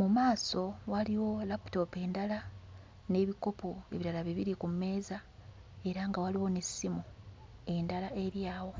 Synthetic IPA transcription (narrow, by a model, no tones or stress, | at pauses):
mumaːso̞waliwo̞lapu̥to̞pe̞ːndala | ne̞ːβiko̞poe̞̰βiɾalaβiβiɾikume̞ːza | e̞ɾaŋɡawaliwo̞nesːimu | e̞ndalaʔe̞ɾjaːwo̞